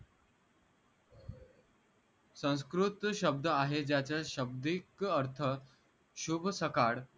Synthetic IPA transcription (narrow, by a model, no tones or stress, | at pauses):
sə̃w̃skɾut̪ɕəb̚d̪ʱəaɦed͡ʑjat͡saɕəb̚d̪ikəɾt̪ʰə | ɕubʱsəkaɽ